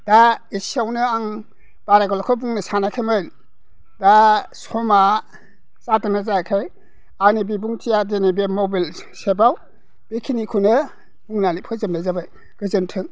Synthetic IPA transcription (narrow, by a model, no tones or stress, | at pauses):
d̥aisiawnɯaŋ | b̥aɾaɡɔlɔkʰɔbuŋnɯsanakʰemɯjl | dasɔma | satɯnazakʰɯj | anibibuŋtʰijadenibemɔbil | sebaw | b̥ekʰinikʰunɯ | b̥uŋnalipʰɯzɯmlajzabaj | ɡ̥ɯzɯntʰɯŋ